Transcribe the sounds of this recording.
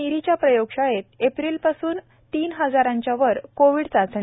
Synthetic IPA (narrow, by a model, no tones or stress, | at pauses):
iɾit͡ɕjapɾəjoɡʂajet̪̚epɾiːlpasuːn | t̪iːnɦəd͡zaɾãɲt͡ɕjaʋəɾkoʋiːɽt͡sat͡sɳ